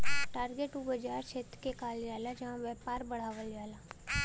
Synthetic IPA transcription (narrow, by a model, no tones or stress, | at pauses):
ʈaːɾɡeʈubəd͡ʒaːɾt͡ʃʰeːt̪kekaːljaːlad͡ʒɐãʋɛːpaːɾbəɽ̤aːʋəljaːlaː